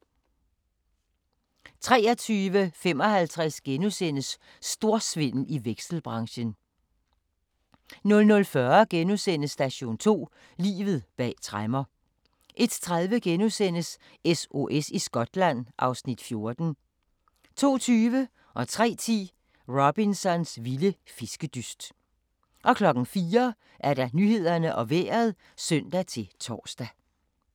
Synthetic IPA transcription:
t͡sʰʁɛːɐt͡sʰyːʋəfem̰ɒ̽hælt͡sʰʁɛsɡ̥enusen̰əsː | d̥o̝ɐ̰sʋe̝n̰l̩iʋeɡ̥sl̩b̥ʁɑ̈ŋɕən | nɔ̽lnɔ̽lfɶɐɡ̥enusen̰əsːd̥æɕo̝̰ːnt͡sʰo̝̰ː | lḭːʋð̞̩ˠb̥ɛ̰ːt͡sʰʁamɐ | ʔe̝d̥t͡sʰʁaðˠʋəɡ̥enusen̰əs | eso̝ʔesisɡ̥ɒ̽d̥læn̰ʔɑ̈ʊsnid̥fjo̝ɐd̥n̩ | t͡sʰo̝̰ːt͡sʰyːʋə | ʔɒ̽t͡sʰʁɛ̰ːt͡sʰḭː | ʁob̥insɒ̽nsʋiləfisɡ̥əd̥ysd̥ | ʔɒ̽kʰlɒ̽ɡ̥n̩fiːɐ | ʔæɐɾɑ̈nyhe̝ð̞̰ˠɐnəʔɒ̽ʋḛːɐð̞̩ˠ | sœn̰d̥æt͡sʰe̝t͡sʰɒ̰ːsd̥æ

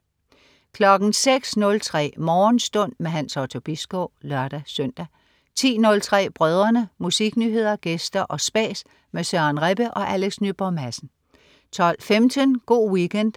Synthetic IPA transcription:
kʰlɒ̽ɡ̥n̩seɡ̥snɔ̽lt͡sʰʁɛ̰ːmɒːnsd̥ɔ̽n̰meɦænsɑʊt͡sʰo̝b̥isɡ̥ɔʊlɶɐ̰d̥æsœn̰d̥æ | t͡sʰḭːnɔ̽lt͡sʰʁɛ̰ːb̥ʁœːð̞ˠɐnəmusiɡ̥nyɦe̝ð̞̰ˠɐɡ̥esd̥ɐʔɒ̽sb̥ɛ̰ːs | mesɶːnʁeb̥əʔɒ̽ʔæleɡ̥snyb̥ɒmæsn̩ | t͡sʰɒ̽l̰femd̥ʰənɡ̥o̝̰ːwikʰen̰d̥

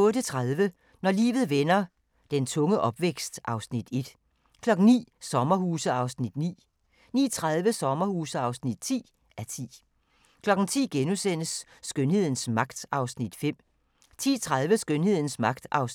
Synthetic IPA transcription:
ɔ̽ːɾət͡sʰʁaðˠʋə | nɒlḭːʋð̩ˠʋenɐ | d̥ent͡sʰɔ̽ŋəʔɒ̽b̥ʋeɡ̥sd̥ʔɑ̈ʊsnid̥e̝d̥ | kʰlɒ̽ɡ̥n̩nḭːsɒ̽mɐhuːsəɑ̈ʊsnid̥nḭː | nḭːt͡sʰʁað̞ˠʋəsɒ̽mɐhuːsəɑ̈ʊsnid̥t͡sʰḭː | æt͡sʰḭː | kʰlɒ̽ɡ̥n̩t͡sʰḭːɡ̥enusen̰əsː | ɡ̥ønhe̝ð̰ˠn̩smɑ̈ɡ̥̚d̥ɑ̈ʊsnid̥fem̰ | t͡sʰḭːt͡sʰʁaðˠʋəsɡ̥ønhe̝ð̰ˠn̩smɑ̈ɡ̥d̥ɑ̈ʊs

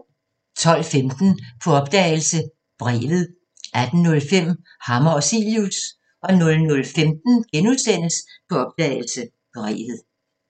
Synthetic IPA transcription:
t͡sʰɒ̽l̰femd̥n̩pʰɒ̽ɒ̽b̥̚d̥ɛ̰ɪl̩sə | b̥ʁɛ̰ːʋð̞̩ˠ | ʔæd̥n̩ːɔ̽lfem̰ | hɑ̈mɐɒsiljus | ɒ̽nɔ̽lnɔ̽lfemd̥n̩ɡ̥enuðˠsen̰əspʰɒ̽ɒ̽b̥̚d̥ɛ̰ːɪl̩sə | b̥ʁɛ̰ːʋð̞̩ˠ

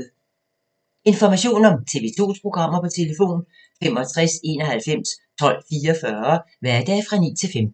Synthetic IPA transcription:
e̝nfɒmæɕo̝̰ːnɒ̽mt͡sʰe̝ʋe̝t͡sʰo̝̰ːspʰʁo̝ɡ̥ʁɑ̈m̰ɐpɒ̽t͡sʰe̝lefo̝̰ːn | fem̰ɒt͡sʰʁɛse̝ːnɒ̽hælfem̰st͡sʰɒ̽l̰fiːɐɒfɶɐ | ʋæɐd̥ɛfʁɑ̈nḭːt͡sʰe̝lfem

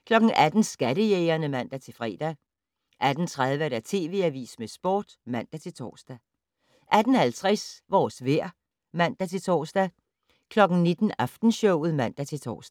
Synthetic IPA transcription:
kʰlɒ̽ɡ̥n̩ʔæd̥n̩sɡ̥æɾəjeɪɐnəmæn̰d̥æt͡sʰe̝lfʁɛ̰ːd̥æ | ʔæd̥n̩t͡sʰʁað̞ˠʋəɾ̥æt͡sʰe̝̰ːʋe̝̰ːæʋḭːsmesb̥o̝̰ːd̥mæn̰d̥æt͡sʰe̝lt͡sʰɒ̰ːsd̥æ | ʔæd̥n̩hælt͡sʰʁɛsʋɒːsʋeɐ̰ | mæn̰d̥æt͡sʰe̝t͡sʰɒ̰ːsd̥æ | kʰlɒ̽ɡ̥n̩ne̝d̥n̩ɑfd̥n̩ɕɔʊ̰ð̩ˠmæn̰d̥æt͡sʰe̝lt͡sʰɒ̰ːsd̥æ

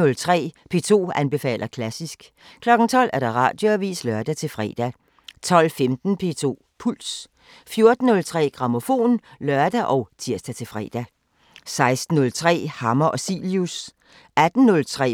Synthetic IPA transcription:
ɔ̽lt͡sʰʁɛ̰ːpʰe̝ːt͡sʰo̝̰ːænb̥e̝fɛ̰ːlɐkʰlæsisɡ̥ | kʰlɒ̽ɡ̥n̩t͡sʰɒ̽l̰æɐɾ̥ɑ̈ʁɑ̰̈ːd̥jo̝æʋḭːslɶɐd̥æt͡sʰe̝lfʁɛ̰ːd̥æ | t͡sʰɒ̽l̰femd̥n̩pʰe̝̰ːt͡sʰo̝̰ː | pʰul̰s | fjo̝ɐd̥n̩ːɔ̽lt͡sʰʁɛ̰ːɡ̥ʁɑ̈mo̝fo̝̰ːnlɶɐd̥æʔɒ̽ʊt͡sʰiɐsd̥æt͡sʰe̝lfʁɛ̰ːd̥æ | sɑ̈ɪsd̥n̩ːɔ̽lt͡sʰʁɛ̰ːhɑ̈mɐʔɒ̽sḭljus | æd̥n̩nɔ̽lt͡sʰʁɛ̰ː

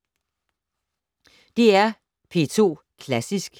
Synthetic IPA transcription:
d̥e̝æɐ | pʰe̝ːt͡sʰo̝̰ː | kʰlæsisɡ̥

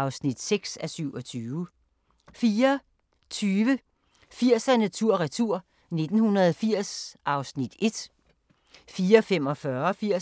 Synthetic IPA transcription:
ʊsnid̥seɡ̥sæsyʊ̰ɒ̽t͡sʰyːʊ | fiːɐ | t͡sʰyːʋə | fiɐ̰sænæt͡sʰuɐ̰ʁɛt͡sʰuɐ̰ | ne̝d̥n̩hunɐðˠfiɐ̰sʔɑ̈ʊsnid̥e̝d̥ | fiːɐfem̰ɒ̽fɶɐfiɐ̰

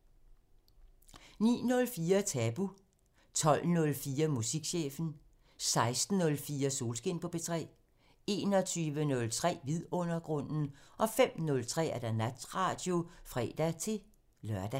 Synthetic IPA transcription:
nḭːnɔ̽lfiːɐt͡sʰɛb̥u | t͡sʰɒ̽l̰nɔ̽lfiːɐmusiɡ̥ɕḛːfn̩ | sɑ̈ɪsd̥n̩ɔ̽lfiːɐso̝ːlsɡ̥e̝npʰɒ̽b̥e̝t͡sʰʁɛ̰ː | e̝ːnɒ̽t͡sʰyːʋənɔ̽lt͡sʰʁɛ̰ːʋiðˠɔ̽n̰ɐɡ̥ʁɔ̽n̰n̩ʔɒ̽fem̰nɔ̽lt͡sʰʁɛ̰ːæɐd̥ænæd̥ʁɑ̈ːd̥jo̝fʁɛ̰ːd̥æt͡sʰe̝ | lɶɐd̥æ

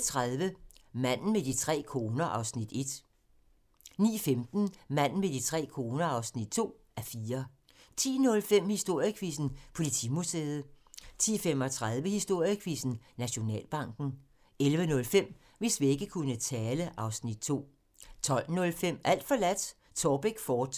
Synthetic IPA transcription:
t͡sʰʁaðˠʋəmæn̰n̩med̥it͡sʰʁɛ̰ːkʰo̝ːnɐʔɑ̈ʊsnid̥e̝d̥ | nḭːfemd̥n̩mæn̰n̩med̥it͡sʰʁɛ̰ːkʰo̝ːnɐɑ̈ʊsnid̥t͡sʰo̝̰ː | æɐfiːɐ | t͡sʰḭːnɔ̽lfem̰hisd̥o̝ɐ̰jəkʰʋisn̩pʰo̝lit͡sʰḭːmuseːð̩ˠ | t͡sʰḭːfem̰ɒ̽t͡sʰʁað̞ˠʋəhisd̥o̝ɐ̰jəkʰʋisn̩næɕo̝nɛ̰ːlb̥ɑ̈ŋ̰ɡ̥n̩ | elʋənɔ̽lfem̰ | ʋe̝sʋie̝ɡ̥əkʰunət͡sʰɛːləʔɑ̈ʊsnid̥̚t͡sʰo̝̰ː | t͡sʰɒ̽l̰nɔ̽lfem̰æl̰d̥fɒ̽læd̥ | t͡sʰɒːb̥eɡ̥fɒːd̥

